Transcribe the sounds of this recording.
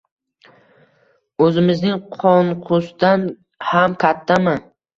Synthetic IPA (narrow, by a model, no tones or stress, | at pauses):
ɵzɪmɪznɪŋqʰɔnqʰʊst̪an | hamkʲʰat̪ʰːaman